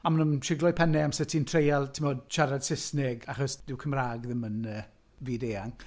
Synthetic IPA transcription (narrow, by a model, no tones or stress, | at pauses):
amənəmʃɪɡlˠɔjpʰɛnɛamsətʰintʰrejalˠtʰɪmoːdʃaɾad̥sɪsnɪɡaχɔsd̥ɪwkʰəmraːɡðɪmənəː | viːdeːaŋ